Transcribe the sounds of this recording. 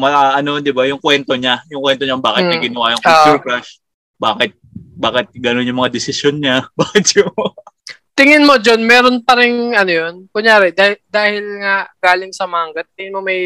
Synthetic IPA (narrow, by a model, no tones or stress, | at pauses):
mɐɐʔɐno̞d̪ɪbajʊŋkwɛnt̪o̞ɲajʊŋkwɛnt̪oɲabaːkɪt̪mɐɡɪnɐwaːjɐŋkːtuɾkɾaʃ | baːkɪt̪̚baːkɪt̪̚ɡɐnonjʊŋmɐŋad̪ɪsɪsjonɲabaːkɪt̪̚jʊ | t̪ɪŋɪnmod͡ʒonmɛːɾonpɐɾɪŋʔɐnojonkʊŋjaːɾɛd̪ad̪aːhɪlŋaɡ̥aːlɪŋsɐmaːŋɡɐt̪̚ːɪŋɪnmo̞mɐj